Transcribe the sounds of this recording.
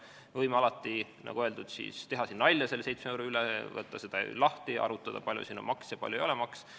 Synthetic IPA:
vɤjmeɑlɑt̪ːˑi | nʔɑ̰ɡ̥uøld̪ud̪̥sḭːst̪e̞ɦɑsinːɑlʲjɑse̞lːse̞jt̪smeewɾuylɛvɤt̪ˑːɑse̞d̪̥ɑḛlɑht̪iɑ̰ɾut̪ːˑɑd̪̥ɑ̰pɑlʲjṵsinːo̰mɑksjɑpɑ̰lʲjuejo̞lɛmɑks

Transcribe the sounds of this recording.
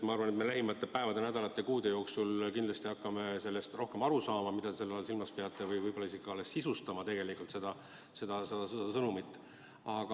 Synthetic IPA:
mɑɑrvɑnet̪melæɦimɑt̪ːˑepæevɑd̪e̞næd̪ɑlɑt̪ːˑe̞kuːd̪e̞jo̞ːksulkind̪lɑst̪iɑkːɑme̞se̞lːe̞st̪ro̞hke̞mɑɾusɑːmɑmid̪̥ɑt̪d̪ese̞lːɑlsilmɑspeɑt̪ˑːe̞vɯjvɯjbolːɑisikːɑlːesːisust̪ɑmɑt̪e̞ɡ̥e̞likult̪se̞d̪̥ɑ | se̞d̪̥ɑsed̪̥ɑsed̪ɑsɤnumit̪ːˑ | ɑɡ̥ɑ

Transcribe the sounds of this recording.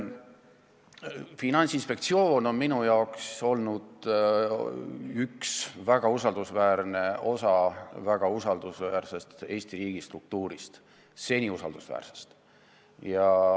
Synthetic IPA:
finɑnʲsinspe̞k̚t̪sio̞ːno̞nminujɑokso̞lnud̪̥ | yksvæɡ̥ɑusɑld̪̥usvæːɾne̞o̞sɑvæɡ̥ɑusɑld̪̥usvæːɾse̞st̪e̞ːst̪iɾiːɡ̥ist̪ruk̚t̪uːɾist̪ | se̞nʲiusɑ̰ld̪̥usvæ̰ːrse̥st̪ | jɑ

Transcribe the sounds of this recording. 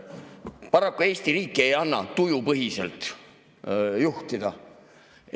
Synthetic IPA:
pɑɾɑkːˑue̞ːst̪iɾiːkːˑie̞jɑnːɑ̰t̪ujupɤɦise̞̰lt̪ˑ | juht̪id̪̥ɑ

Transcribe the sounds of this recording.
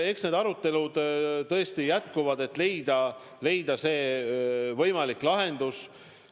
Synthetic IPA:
e̞ksne̞d̪ɑɾut̪ːˑe̞lud̪t̪ɤ̞est̪ijæt̪kuvɑd̪e̞t̪ːˑle̞jd̪ɑ | le̞jd̪̥ɑse̞ː | vɤ̞jmɑlikˑlɑɦe̞nd̪̥us

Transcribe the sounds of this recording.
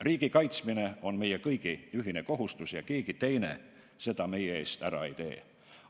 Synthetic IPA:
riːɡ̥ikɑjt̪smine̞o̞nme̞jekɤjɡ̥iyɦine̞ko̞ɦust̪usjɑkeːɡ̥it̪e̞jne̞̰ | se̞d̪̥ɑme̞jee̞̰ːst̪æ̰ɾɑ̰e̞jt̪e̞̰ː

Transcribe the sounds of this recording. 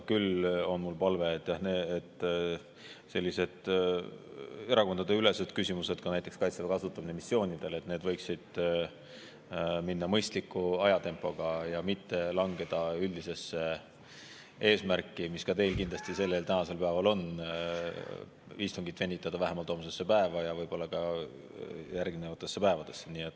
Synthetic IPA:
kylo̞nmulpɑlve̞ːt̪ːˑjɑhneːt̪ː | se̞lʲːise̞d̪̥ | e̞ɾɑko̞nd̪ɑd̪e̞yle̞sed̪̥kysʲimuse̞d̪̚kɑnæjt̪ːˑekskɑjt̪sev̥ɑkɑsut̪ːˑɑminemisːjo̞ːnʲid̪̥e̞le̞t̪ne̞ːd̪vɤjksid̪̥ | minːɑmɤjst̪likːˑuɑjɑt̪e̞mpːˑo̞ɡ̥ɑjɑmit̪ːe̞lɑŋɡe̞d̪̥ɑyld̪ise̞sːe̞ | e̞ːsmæɾkːˑimiskɑt̪e̞jlkind̪lɑsʲt̪ise̞lːelt̪ænɑse̞lpæevɑlo̞n | ist̪uŋɡit̪ːve̞nːit̪ːˑɑd̪̥ɑvæɦemɑlt̪oːms̬e̞sːepæevɑjɑvɤjb̥o̞lːɑkɑ | jæɾɡnevɑt̪ːˑe̞sːepæevɑd̪̥e̞sːeniːet̪ː

